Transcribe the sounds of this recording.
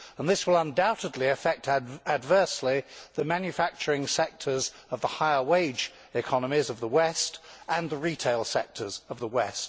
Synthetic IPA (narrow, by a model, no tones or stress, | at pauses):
ə̃nðɪswəlˠʌ̃ndaʊɾɨdˡliɨfɛk̚tʰɨdvɜˑ˞sliðɨmæ̃njɨfæk̚t͡ʃə˞ɪ̃ŋsɛk̚tʰə˞z | ʌvðəhaɪə˞weɪd͡ʒ | ɪkʰɑnəmizʌvðəwɛstʔə̃nðəɹitʰeɪlˠsɛk̚tʰə˞zʌvðəwɛst̚